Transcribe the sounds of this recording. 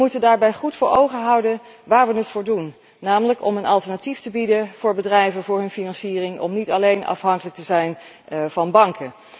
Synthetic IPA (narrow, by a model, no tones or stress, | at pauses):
mutəndaːɹbɛjχutfʊːɹowχənɦɑwdənʋaːɹʋənətfʊːɹdunː | aːmələkɔmənɑlˠtəɹnatiftəbidənv̥ʊːɹbədrɛjvənvʊːɹɦɵnfinɑnsiːrɪŋɔ̰mnitɑlejnʔɑ̰fɦɑŋkələk̚təzɛjn | v̥ɑnbɑŋkʰə